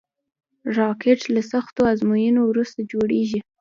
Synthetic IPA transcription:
ɾɑkeʈlasaxt̪oazmujinowɾust̪ad͡ʒoɽeʒi

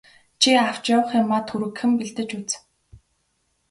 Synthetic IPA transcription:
t͡ɕʰiaw̥t͡ɕjawə̆χɪːrmat̪xuɾɘ̆kxɘ̆mpiɮt̪ɘ̆t͡ɕut͡s

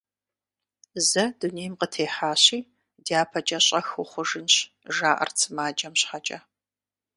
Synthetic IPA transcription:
zɐduneːjmqətʰeːħaːɕiː | diaːpʰɐd͡ʒʼɐɕʼɐxʊχʷʊʒɨnɕ | ʒaːʔɐ̰rt͡sʰɨmaːd͡ʒɐmɕħat͡ʃʼɐ

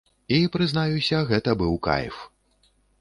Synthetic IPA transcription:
ipɾɨznajusʲɐɣɛt̪ɐbɨwka̰j̰f

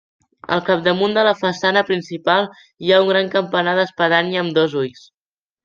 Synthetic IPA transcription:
ə̰lˠkap̚d̪əmund̪ələfəsanəpɾinsipalˠ | iauŋɡɾaŋkəmpənaðəspəðaniəəmd̪ɔzujs

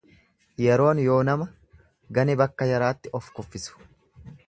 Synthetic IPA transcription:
jɛɾo̞ːnjo̞ːnɐmɐ | ɡɐnɪbɐkːɐjɐɾaːt̪ːɪɔfkɔfːɪsʊ̥

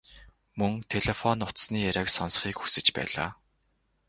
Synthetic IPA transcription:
mɵŋt̪ʰeɮefɔnʊt̪sniːjæɾʲæːksɔnsχiːkxusɘ̆t͡ɕpæ̰ːɮa̰ː

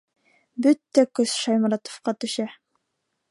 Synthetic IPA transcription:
bɵt̪ːækɵsʃɑjmɑɾɑt̪ŏ̥fqɑt̪ɵ̆ʃæ

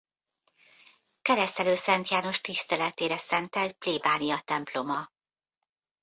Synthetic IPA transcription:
kɛɾɛst̪ɛløːsɛnt̪jaːno̞ʃt̪ist̪ɛlɛt̪eːɾɛsɛnt̪ɛlt̪̚pliːbaːnijɒt̪ɛmplo̞mɒ

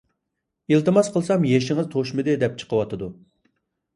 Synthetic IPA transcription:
ilˠt̪ɨmɑsqʰəlˠsɑmjeʃɪŋɨzt̪ʰoʃmɨd̪ɨd̪ɛp̚t͡ʃʰə̥qʰəwɑt̪ʰɨd̪u

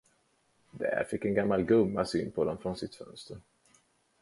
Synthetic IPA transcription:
d̪ɛ̰æɾfɪkːɛnɡamːalɡɵmːasyːnpʰɔd̪ɔmfɾɔnsɪt̪fœ̰nst̪əɾ

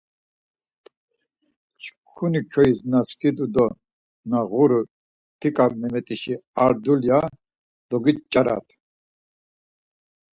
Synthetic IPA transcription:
t͡ʃʰkʰunikʰɔisnaskid̪ud̪ɔ | naʁuɾu | t̪ʰikʼabnɛmɛt̪ʼiʃiaɾd̪ulja | d̪̥ɔɡit̪t͡ʃʼaɾa̰t̪ʰ

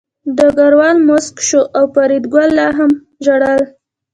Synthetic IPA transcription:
d̪əɡaɾwɑlmʊskʃoʔawpaɾid̪ɡwalːɑɦam | ʒaɽəl

